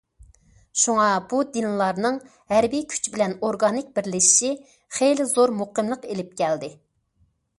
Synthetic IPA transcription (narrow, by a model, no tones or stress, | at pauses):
ʃuŋɑbud̪ɪnlˠɑɾnɨŋ | ɦɛɾbijkʲʰy̥t͡ʃbɪlɛnoɾɡɑnɪk̚ʲbɪɾlɪʃi̥ʃi | χejlɪzoɾmoqəmlˠəqelɪp̚kʲʰɛld̪ɪ